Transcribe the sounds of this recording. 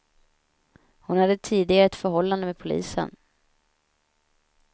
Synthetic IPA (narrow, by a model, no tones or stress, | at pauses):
hʊnhad̪ːət̪ʰiːd̪ɪɡaɾəɛt̪fœɾɦɔlːand̪əmɛːd̪pʰʊlḭːsə̰n